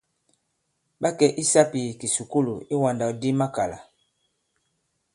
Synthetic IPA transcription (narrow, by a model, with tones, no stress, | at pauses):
ɓa˦kɛ˦˨ʔi˦sa˦pi˨ki˨su˨ku˦lu˨i˦wa˨nda˨u˨di˦ma˦ka˨la̰˨